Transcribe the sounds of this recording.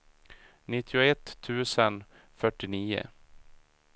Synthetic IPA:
nɪt̪ʰːɪʊɛt̪ʰːʉ̟ːsən | fœʈːɪniːʊ̰

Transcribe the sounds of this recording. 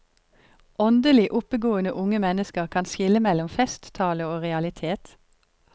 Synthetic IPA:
ʔɔnd̪əlɪʔʊpəɡoːənəʔʊŋəmɛnəskəʁkʰɑnʃɪləmɛlʊmfɛst̪t̪ʰɑːləoːʁɛɑlɪt̪ʰeːt̪

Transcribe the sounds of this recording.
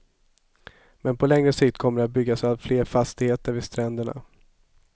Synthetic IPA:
mɛnpʰɔlɛŋɾəsɪkt̪̚kʰɔmːəɖɛat̪̚bʏɡːasavfleːɾfast̪ɪheːt̪əɾvɪst̪ɾɛnd̪əɳa̰

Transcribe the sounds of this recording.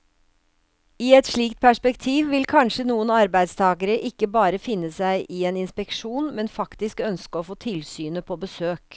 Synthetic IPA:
iːɛt̪ʂɭiːkt̪̚pʰæʂpɛkt̪ʰiːʋʋɪlkʰɑnʂənuːənɑɾbæɪd̪st̪ʰɑːɡəɾəʔɪkːəbɑːɾəfɪnːəsæɪʔɪeːnɪnspɛkʂuːnmɛnfɑkt̪ɪskœnskəɔːfoːt̪ʰɪlsyːnəpʰobəsøːk

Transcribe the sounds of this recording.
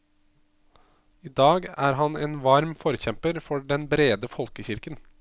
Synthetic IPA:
iːd̪ɑːɡæːɾɦɑneːnʋɑɾmfɔɾçɛmpəɾfɔɖɛnbɾeːd̪əfɔlkəçɪɾkən

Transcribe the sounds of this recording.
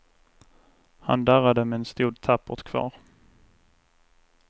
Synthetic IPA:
ha̰nd̪æɾad̪əmɛɛnst̪uːd̪̚t̪ʰapːʊt̪kʰv̥ɑ̰ːɾ

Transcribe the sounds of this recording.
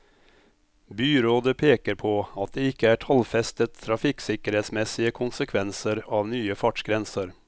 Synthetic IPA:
byːɾoːd̪əpʰeːkəɾpʰɔɑt̪̚d̪eɪkːəæʈʰɑlfɛst̪ət̪ʰːɾɑfɪksɪkəɾheːt̪smɛsːɪəkʰʊnsəkʰʋɛnsəɾɑʋnyːəfɑʈʂɡɾɛnsəɾ

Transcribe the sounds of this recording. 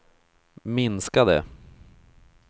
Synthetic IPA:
mɪnskad̪ɛ̰

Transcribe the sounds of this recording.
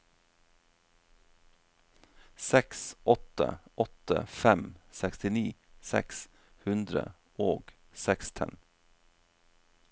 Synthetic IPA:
sɛksʔɔt̪ə̰ʔɔt̪ə̰fɛmsɛkst̪ɪniː | sɛ̰ks | hʉnd̪ɾə̰ | oːɡ | sɛkst̪ʰɛ̰n

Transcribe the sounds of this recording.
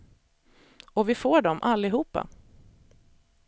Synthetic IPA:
ɔvɪfoːɖɔmʔalːɪɦuːpːa̰

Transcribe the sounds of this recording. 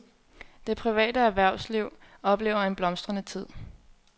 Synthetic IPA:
d̥e̝pʰʁiʋɛ̰ːd̥əæɐʋæɐ̰ʊsliʊ̰ | ɒ̽b̥le̝ːʊɐe̝nb̥lɒ̽msd̥ʁɐnət͡sʰið̰ˠ

